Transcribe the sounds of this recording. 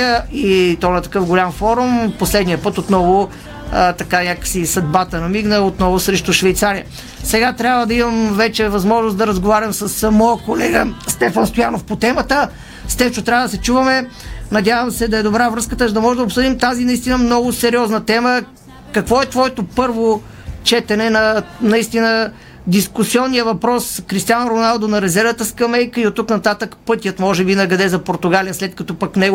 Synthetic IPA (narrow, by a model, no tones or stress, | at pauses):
əit̪ɔnɐt̪ɐ̥kɤfɡolʲamfɔɾumposlɛd̪nijəpɤt̪ot̪nɔvʊ | ət̪ɐkanʲakəfsisɐd̪̚bat̪ənɐmiɡnəot̪nɔvʊsɾɛʃt̪ʊʃvɛjt̪saɾiə | sɛɡat̪ɾʲabvəd̪ɐimɐmvɛt͡ʃɛvɐzmɔʒnosd̪ɐɾɐzɡovaɾʲɐmsəsmɔjəkolɛɡəst̪ɛfənst̪ojanofpot̪ɛmət̪ə | st̪ɛft͡ʃot̪ɾʲavəd̪ɐsɛt͡ʃuvɐmɛnɐd̪javɐmsɛd̪ɐɛd̪obɾavɾɤskət̪əʒd̪ɐmɔʒɛd̪ɐopsɤd̪imt̪azinɐist̪inəmnɔɡʊsɛɾiɔznət̪ɛmə | kɐkvɔɛt̪vɔɛt̪opɤɾvo | t͡ʃɛt̪ɛnɛnɐnɐist̪inə | d̪iskusiɔnːijəvɐpɾɔskɾist̪ijanɾonalˠd̪onɐɾɛzɛɾvət̪əskɐmɛjkəiot̪ːuknɐt̪at̪əkpɤt̪ijət̪mɔʒɛbinɐɡɐd̪ɛzɐpoɾt̪ʊɡalijəslɛt̪̚kɐt̪ɔpɐknɛ